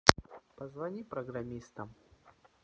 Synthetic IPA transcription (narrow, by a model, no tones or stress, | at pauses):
pəzvɐnʲipɾəɡɾɐmʲist̪əm